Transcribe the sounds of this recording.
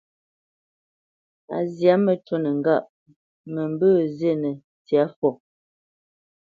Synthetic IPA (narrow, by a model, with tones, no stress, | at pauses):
a̰˨zja˨˦mə˨to˦nə˨ŋ˨ɡa˦˨ʔ | mə˨m˦bəː˦˨ze˦˨nɛ˨ | t͡sja˨˦fɔ˨